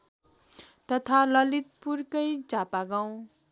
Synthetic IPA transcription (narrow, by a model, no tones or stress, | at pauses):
t̪ʌt̪ʰalʌlit̪̚purkʌjd͡zapaɡaw̃